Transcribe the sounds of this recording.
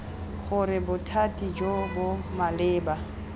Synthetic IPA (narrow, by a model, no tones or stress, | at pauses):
χʊɾɪbʊtʰatʼid͡ʒobʊmalɪːba